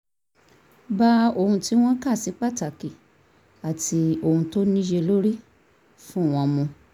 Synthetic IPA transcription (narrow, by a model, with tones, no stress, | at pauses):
ba˧˦o˦˨hũ˧ti˦w̃ɔ̃˦ka˦˨si˨˦k͡pa˦˨ta˨ki˨ | a˨ti˧o˨hũ˧to˦nĩ˦ʃe˧lo˦ɾi˦ | fũ˦˨w̃ɔ̃˧mũ˧